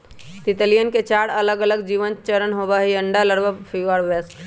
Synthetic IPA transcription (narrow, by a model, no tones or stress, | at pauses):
t̪it̪əlijənket͡ʃaɽələɡələɡd͡ʒiʋənt͡ʃəɾənɦobəɦiəɳɖaləɽbəpʰiʋaɾbes